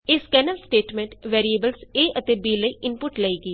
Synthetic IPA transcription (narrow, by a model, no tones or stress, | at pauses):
ɪskɛːnəlsʈeːʈmẽːɳʈʋɛːɾieːbəlseːʔət̪eːbiːləiːʔɪnpʊʈləiːɡiː